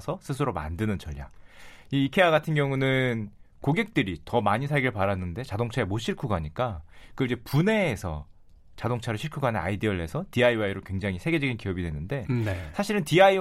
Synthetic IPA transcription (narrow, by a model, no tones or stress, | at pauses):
sʰʌsʰɯsʰɯɾoma̰ndɯnɯnt͡ɕʌʎja̰iːkʰe̞aɡatʰɯnɡjʌŋunɯnkoɡe̞k̚t͈ɯɾitʌmaɲisʰaɭɡiɭpaɾanːɯnde̞t͡ɕadoŋt͡ɕʰae̞moɕ͈ʰiɭkʰuɡaɲik͈akɯid͡ʑe̞pune̞ːsʰʌ̰ | t͡ɕadoŋt͡ɕʰaɾɯɭɕʰiɭkʰuɡanea̰idiʌɭːe̞sʰʌtiaiwaiɾokwe̞ŋd͡ʑaŋisʰe̞ɡe̞d͡ʑʌɡinkiʌbidwe̞nːɯnde̞nsʰaɕʰiɾɯntiai